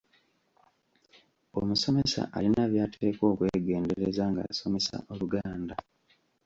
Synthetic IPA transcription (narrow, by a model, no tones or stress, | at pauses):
omuso̞me̞sa̰ʔalinaβjaːtʰe̞ːko̞ːkwe̞ːɡe̞ːndeɾe̞zaŋɡa̰so̞me̞sa̰ʔo̞luɡaːnda